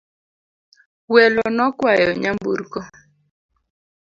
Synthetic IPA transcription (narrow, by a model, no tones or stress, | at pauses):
wɛlɔnɔkwajɔɲambṵɾkɔ